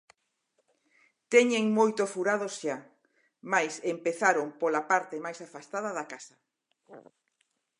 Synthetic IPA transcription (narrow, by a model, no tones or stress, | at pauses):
t̪ɛɲeŋmojt̪ofuɾaðosʃa | majsempeθaɾompolapaɾt̪emajsafast̪að̞ɐðakasɐ